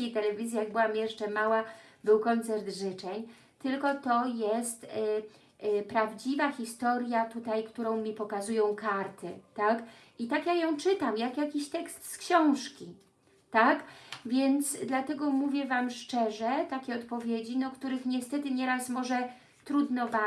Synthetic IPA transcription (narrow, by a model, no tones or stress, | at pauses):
ejt̪ɛlɛvʲizʲjijaɡ̚bɘwamjɛʂt͡ʂɛmawabɘwkɔnt̪sɛɾd̪ʐɘt͡ʂɛɲ | t̪ɘlkɔt̪ɔjɛst̪ | pɾavd͡ʑivaxʲist̪ɔɾʲjat̪ut̪ajkt̪uɾɔ̃w̃mʲipɔkazujɔ̃w̃kaɾt̪ɘt̪ak | it̪akjajɔ̃w̃t͡ʂɘt̪amjakjakʲiɕt̪ɛkst̪skɕɔ̃w̃ʂkʲi | t̪akvʲjɛnt̪sd̪lat̪ɛɡɔmuvʲjɛvamʂt͡ʂɛʐɛt̪akʲɛɔt̪pɔvʲjed͡ʑinɔkt̪uɾɘxɲɛst̪ɛt̪ɘɲɛɾasmɔʐɛ | t̪ɾud̪nɔba